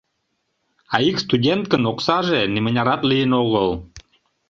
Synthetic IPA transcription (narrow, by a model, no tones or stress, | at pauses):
ɑikst̪udʲent̪̚kənoksɑʒenimənʲɑɾɑt̪lijənoɣəl